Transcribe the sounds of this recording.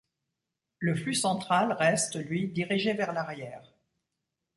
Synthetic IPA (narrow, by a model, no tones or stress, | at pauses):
ləflysɑ̃t̪χalʁɛst̪lɥid̪iʁiʒevɛʁlaʁjɛːʁ